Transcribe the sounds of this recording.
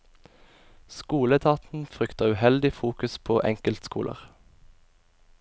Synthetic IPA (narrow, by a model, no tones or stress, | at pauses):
skuːlət̪ʰɑːt̪n̩fʁʏkt̪əʉhɛld̪ɪfuːkʉspʰoːʔɛŋkəlt̪skṵːlə̰ʁ